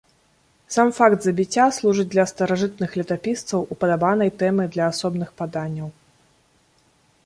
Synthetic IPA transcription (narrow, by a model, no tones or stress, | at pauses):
samfakd̪zɐbʲit͡sʲːaslˠuʐɨd͡zʲd̪lʲɐst̪ɐɾaʐɨt̪̚nɨxlʲɐt̪apʲist̪sɐwʔupɐd̪abanɐjt̪ɛmɨd̪lʲɐːsɔbnɨxpad̪anʲːɐw